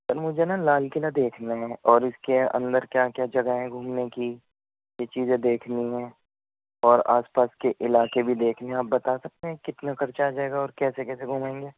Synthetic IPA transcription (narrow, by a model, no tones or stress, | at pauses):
pɐɾmʊd͡ʒʱenalaːlkɪlad̪eːkʰnaɦɛ̃ʔɔːɾɪskeɐ̰̃nd̪əɾkjaːkjaːd͡ʒɐɡaɦɛ̃ɡʱuːmneki | jet͡ʃiːzẽd̪eːkʰniɦɛ̃ː | ɔːɾa̰ːspaːskeʔɪlaːkebʱid̪eːkʰneɦaːp̚bɐt̪asɐk̚t̪eɦkɪt̪nakɐɾt͡ʃad͡ʒaːeːɡaɔːɾkɛːsekɛːseɡʱuːmẽːŋɡeː